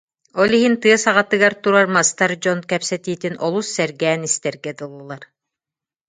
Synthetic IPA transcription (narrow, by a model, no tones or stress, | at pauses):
ɔlˠiɦint̪ɯɐsaʁat̪ɯɡaɾt̪uɾaɾmast̪aɾd͡ʑɔnkɛpsɛt̪iːt̪inʔɔlˠusːɛɾɡɛːnist̪ɛɾɡɛd̪ɯlˠːulˠaɾ